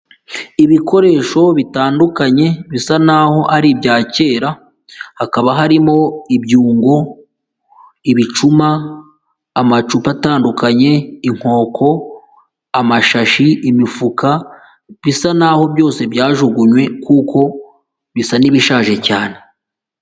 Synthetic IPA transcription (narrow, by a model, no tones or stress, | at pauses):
iβikʰo̞ɾe̞ːʃo̞βitaːndukaɲe̞βisanaho̞ʔaɾibjaːce̞ːɾa | hakaβaɦaɾimo̞ibɟuːŋɡo̞ | iβit͡ʃumaː | mat͡ʃupataːndukaɲe̞iŋ̥ho̞ːkʰo̞ | amaʃaʃiʔimifuka | βisanaho̞bjo̞ːse̞bjaːʒuɡuɲwe̞kukʰo̞ | βisaniβiʃaːʒe̞caːne̞